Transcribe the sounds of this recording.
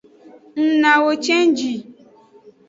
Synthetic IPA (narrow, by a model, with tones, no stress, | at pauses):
n̩˨na˨wo˨t͡ʃe˦n̩˦d͡ʒi˨